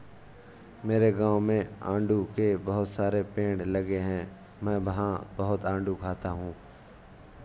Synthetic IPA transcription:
meːɾeɡãːwmẽã̰ːɳɖukebɐɦʊt̪saːɾepẽːɖlɐɡeɦɛ̃ː | mɛ̃ːʋɐɦãbəɦʊt̪ãːɳɖukʰaːt̪aɦũː

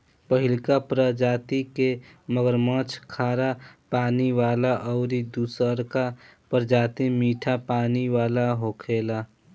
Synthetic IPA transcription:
pəɦɪlkapɾəd͡ʒaːt̪ike | məɡəɾmə̃t͡ʃʰkʰaːɾapaːniwaːlaʔɔːɾid̪uːsəɾkapəɾd͡ʒaːt̪imiːʈʰapaːniwaːlaɦokʰeːla

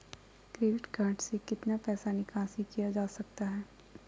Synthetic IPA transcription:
kɾeːɖɪʈɡʱaːʈsekɪt̪napɛːsanikãːsikijad͡ʒaːsɐk̚t̪aɦɛː

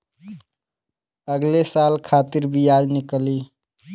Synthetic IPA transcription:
əɡlesaːlkʰaːt̪ɪɾbʱijaːd͡ʒnɪkli

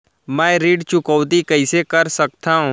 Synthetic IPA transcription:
mɛ̃ːɾiːɖt͡ʃʊkɔːt̪ikɐɪsekɐɾsɐk̚t̪aɦũː

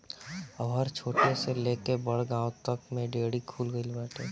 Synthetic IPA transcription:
əʋɦəɾt͡ʃʰoːʈeseleːkebəɽ̤ɡãːwt̪əkmẽɖeːɽikʰuːlɡəilbaːʈeː

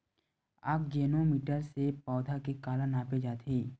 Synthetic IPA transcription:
a̰ːp̚ɡɛːnomiːʈəɾsepɔːd̪ʱakekaːlənaːped͡ʒaːt̪ʰeː

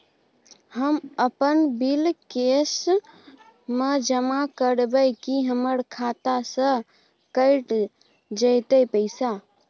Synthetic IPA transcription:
həməpənbilkes | med͡ʒəmakəɽbəjkiɦəməɾkʰat̪asə̃ | kəɪʈ | d͡ʒət̪əjpəɪsa

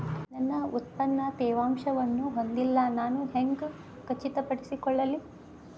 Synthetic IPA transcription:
nɐnːɐut̪̚pɐnːɐt̪ɛːʋaːmʃɐʋɐnːuɦond̪ilːɐnaːnuɦeŋɡ | kɐt͡ʃːit̪ɐpɐʈisikɔɭːɐlːi

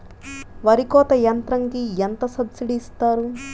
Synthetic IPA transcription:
ʋɐɾikɔːt̪ɐjɐnt̪ɾɐŋkijent̪ɐsɐbsiɖiːst̪aːɾu

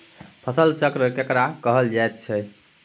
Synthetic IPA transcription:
pʰəsəlt͡ʃəkɾəkekɾakəɦəld͡ʒajt̪̚t͡ʃʰɛ

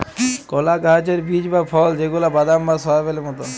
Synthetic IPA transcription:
kɔlaɡat͡ɕeɾbid͡ʑbapʰɔld͡ʑeɡulabad̪ambasɔabelemɔt̪o

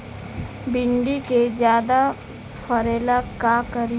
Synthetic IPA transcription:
bɪɳɖiked͡ʒjaːd̪a | pʰəɾeːlakakəɾi

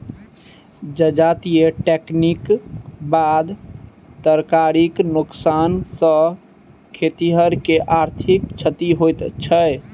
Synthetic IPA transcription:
d͡ʒəd͡ʒat̪ijeʈeknikbad̪ | t̪əɾkaɾiknuksansə̃ | kʰet̪iɦəɾkeʔaɾt̪ʰikt͡ʃʰət̪iɦojt̪t͡ʃʰə

